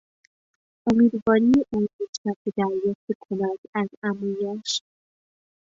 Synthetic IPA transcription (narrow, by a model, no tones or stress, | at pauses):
ʔomiːd̪vɒːɾieʔuːmit̪ʰnæd̪̚bed̪æɾjɒːft̪ekʰonæd̪̥æzæmujæʃ